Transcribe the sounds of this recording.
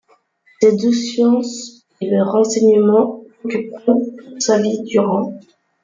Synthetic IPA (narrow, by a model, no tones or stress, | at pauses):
sed̪usjɑ̃s | eləʁɑ̃sɛɲəmɑ̃okʲypkʰɔpuʁsavid̪yʁɑ̃